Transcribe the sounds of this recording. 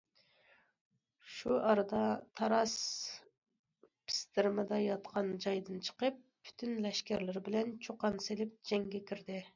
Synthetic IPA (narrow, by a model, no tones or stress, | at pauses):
ʃuʔɑɾɨd̪ɑt̪ʰɑɾɑs | pʰɪ̥st̪ɪɾmɪd̪ɑjɑt̪qʰɑnd͡ʒɑjd̪ɨnt͡ʃʰə̥qəp̚ʰːy̥t̪ʰynlɛʃkʲɛɾlɪɾbɪlɛnt͡ʃʰoqɑnselɪp̚d͡ʒɛŋɡʲɛkʲʰiɾd̪ɪ